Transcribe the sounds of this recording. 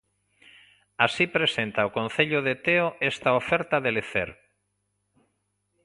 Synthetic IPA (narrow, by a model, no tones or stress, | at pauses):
asipɾesent̪aokõnθeʎoðet̪eoʔest̪aofɛɾt̪aðeleθḛɾ